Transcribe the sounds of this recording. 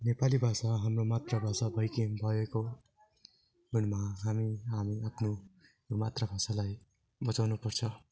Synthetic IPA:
nepalibʱasaɦamromat̪rʌbʱasabʱʌjkebʱʌeko | ɡunmaɦamiɦamiapʰnu | jomat̪rabʱasalaj | bʌt͡sawnupʌrt͡sʰʌ

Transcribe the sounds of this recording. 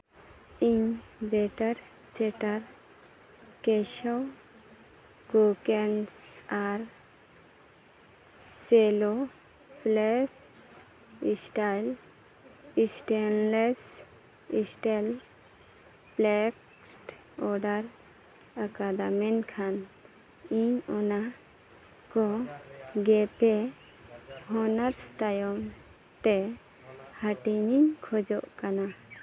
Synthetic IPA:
iɲbeʈəɾ | t͡ʃeʈaɾ | keʃɔw | ɡokensaɾ | selo | plep | s | isʈajl | isʈenles | isʈal | plɛk | sʈ | ɔɾɖaɾ | akad̪amɛnkʰan | iɲɔna | kɔ | ɡɛpɛ | hɔnaɾst̪ajɔm | t̪ɛ | haʈiɲiŋkʰɔd͡ʒɔʔkana

